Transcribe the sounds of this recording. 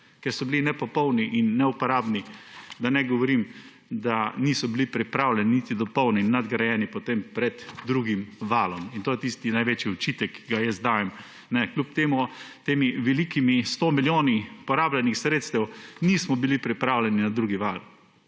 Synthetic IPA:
kɛɾsɔbilinɛpɔpɔwniʔinːɛupɔɾaːbnid̪anɛɡɔʋɔɾim | d̪aniːsɔbilipɾipɾaːwlʲɛninit̪id̪ɔpɔwninːad̪ɡɾɐjɛːnipɔt̪empɾɛd̪ːɾuɡimʋaːlɔmint̪oːjɛt̪ist̪inajʋet͡ʃjiɔt͡ʃit̪ɛkʰːiɡajɛsd̪aːjɛm | nɛklʲupt̪eːmut̪eːmiʋɛlikimist̪omiljoːnipɔɾaːblɛnixsɾeːt̪st̪ɛwnismɔbilipɾipɾaːwlʲɛninad̪ɾuːɡiʋaːl

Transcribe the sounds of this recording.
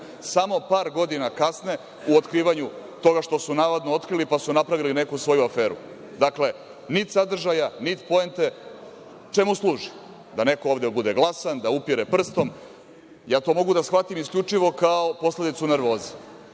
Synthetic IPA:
samo̞paːɾɡo̞d̪inakasne̞ | uot̪kɾiːʋaɲut̪o̞ɡaʃt̪o̞sunaʋod̪noo̞t̪kɾilipasunapɾaʋiline̞kusʋo̞juafe̞ːɾu | d̪akle̞ | nit̪sad̪r̩ʒajanit̪po̞ent̪e̞ | t͡ʂe̞muslˠuːʒi | d̪ane̞kooːvd̪ebud̪e̞ɡlˠasand̪aupiɾepr̩st̪o̞m | jaːt̪o̞ːmo̞ɡud̪asxʋat̪imiskʎʲut͡ʂiʋo̞kaopo̞sle̞d̪it̪sune̞ɾʋo̞ːzi̥

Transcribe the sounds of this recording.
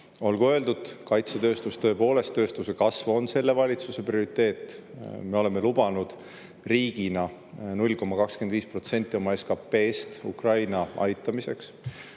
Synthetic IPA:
o̞lɡuø̞ːld̪ud̪̥kɑjt̪set̪ø̞ːst̪ust̪ɤ̞epo̞ːle̞st̪ːø̞ːst̪usekɑsvo̞nse̞lːe̞vɑlʲit̪suse̞prio̞ɾit̪ːˑe̞ːt̪ˑːme̞o̞le̞me̞lub̥ɑnud̪̥ | riːɡ̥inɑ | nulʲko̞mːɑkɑkske̞nd̪viːspro̞t̪se̞nʲt̪ːˑio̞mɑe̞skɑpːe̞ːst̪ṵkrɑjnɑɑ̰jt̪ːˑɑmise̞ks

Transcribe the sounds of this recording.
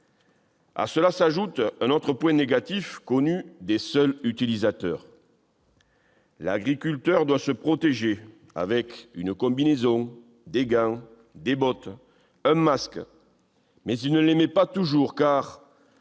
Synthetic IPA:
a̰səlasaʒut̪ɛ̃nɔt̪χəpwɛ̃neɡat̪ifkɔnyd̪esœlyt̪ilizat̪œ̰ʁ | la̰ɡʁikʲylt̪œʁd̪wasəpχɔt̪eʒe | a̰vɛkynkɔ̃binezɔ̃ | d̪eɡɛ̃ | d̪ebɔt̪ | ɛ̃mask | mɛzilnəlemɛpat̪uʒuʁkaʁ

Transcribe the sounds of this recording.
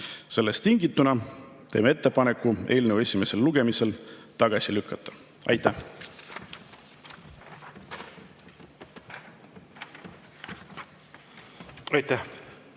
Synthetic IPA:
se̞lːest̪ːiŋɡit̪ːˑunɑ | t̪e̞̰ːmee̞t̪ˑːe̞pɑnekːˑue̞ːlnevue̞sʲime̞se̞lːuɡ̥e̞mise̞lt̪ɑɡ̥ɑsʲilykːɑt̪ˑːɑ̥ | ɑ̰jt̪ˑːæh | ɑjt̪æh

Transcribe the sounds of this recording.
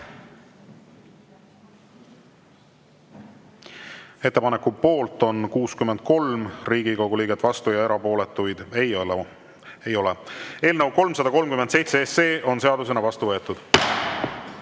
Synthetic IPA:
e̞t̪ːe̞pɑnekːˑupo̞ːlt̪ˑo̞nkuːskymend̪̥̚ko̞lmriːɡ̥ikoɡ̥uliːɡet̪ːvɑst̪ujɑe̞ɾɑpo̞ːlet̪ːˑujd̪̥e | e̞jo̞lee̞ːlnəwko̞lmsɑd̪̥ɑko̞lmkymed̪se̞jt̪seeseːʔo̞nse̞ɑd̪use̞nɑvɑst̪uvɤ̞e̞t̪ːˑud̪̥

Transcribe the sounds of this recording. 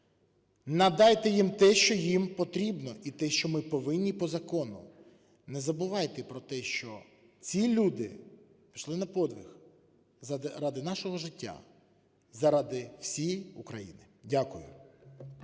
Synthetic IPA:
nɐd̪ɑjt̪ɛjimt̪ɛʃt͡ʃɔjimpɔt̪ɾʲibnɔʔit̪ɛʃt͡ʃɔmɪpɔʋɪnʲːipɔzɐkɔnʊ̰ | nɛzɐbʊʋɑjt̪ɛpɾɔt̪ɛʃt͡ʃɔ | t͡sʲilʲud̪ɪ̰ | piʃlˠɪnɐpɔd̪ʋʲɪx | ɾɑd̪ɪnɑʃɔɦɔʒɪtʲːa̰ | zɐɾɑd̪ɪw̥sʲijukɾɐjḭnɪ | dʲakʊjʊ̰

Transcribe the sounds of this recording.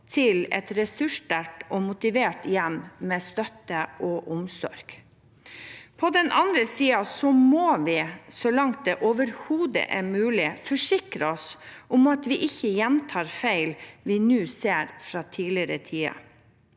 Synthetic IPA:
t̪ʰɪlɛ̰t̪ɾɛsʉʂdæʈɔmʊt̪ɪʋeːʈjɛmmɛst̪œt̪ːəʔɔʔʊmsɔ̰ɾɡ̥ | pʰɔd̪ɛnʔɑnd̪ɾəsiːɑsɔmoːʋɪsɔlɑŋt̪̚d̪ɛʔoːʋəɾhuːd̪ə̰ʔɛmʉːlɪfɔʂɪkɾəɔsʔʊmɑt̪ʋɪʔɪçːəjɛnt̪ʰɑːɾfæɪlʋɪnʉːseːɾfɾɑːt̪ʰiːlɪəɾət̪ʰiːɑ̰

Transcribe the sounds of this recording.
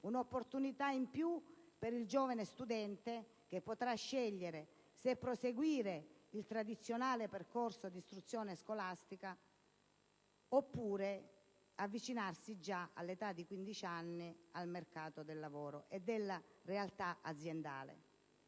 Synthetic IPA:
unopːort̪unit̪aimpjupeɾild͡ʒɔːvanest̪ud̪ɛnt̪e | k̟epːot̪ɾaʃːɛʎːeɾe | sepːɾoseɡwiːɾeilt̪ɾad̪it̪sːjonaːleperkorsod̪ist̪ɾut̪sːjɔːneskolast̪ika | opːuːɾe | avːit͡ʃinarsid͡ʒaa̰lːet̪ad̪ːikwind̪it͡ʃanːialmerkaːt̪od̪elːavɔːɾoʔed̪elːarealt̪aʔad̪zːjend̪a̰ːlḛ

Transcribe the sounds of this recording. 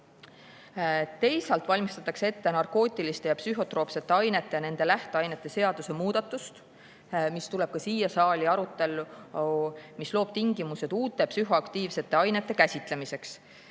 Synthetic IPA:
t̪e̞jsɑlt̪ˑvɑlʲmist̪ɑt̪ːˑɑkseet̪ːe̞nɑrko̞ːt̪ʲːˑilist̪e̞jɑpsyɦo̞t̪ɾro̞ːpse̞t̪ːe̞ɑjne̞t̪ˑːe̞jɑne̞nd̪̥e̞læht̪eɑjne̞t̪ːˑe̞se̞ɑd̪̥use̞muːd̪̥ɑt̪ːˑust̪ | mist̪ule̞b̥̚kɑsiːjɑsɑːlʲiɑɾut̪ːˑe̞lːu | mislo̞ːb̥̚t̪iŋɡimuse̞d̪̥uːt̪ːˑe̞psyɦo̞ɑkt̪iːvse̞t̪ːˑe̞ɑjne̞t̪ːe̞kæsʲit̪ˑle̞mise̞ks

